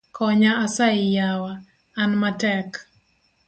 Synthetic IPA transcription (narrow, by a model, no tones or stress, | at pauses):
kʰɔɲaasaɪjawaː | nmatɛk